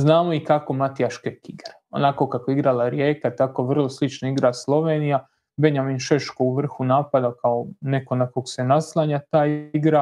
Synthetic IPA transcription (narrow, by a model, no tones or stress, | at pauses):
znaːmoikako̞mat̪ijaʃkekiɡɾa | o̞̰nako̞kakoiɡɾalaɾjeːkat̪ako̞ʋr̩lˠoslit͡ʃnoiɡɾaslˠo̞ʋeːnija | be̞ɲaminʃeʃkouʋr̩xunaːpad̪akaone̞ko̞nakoɡse̞naslˠaɲat̪aːjiɡɾa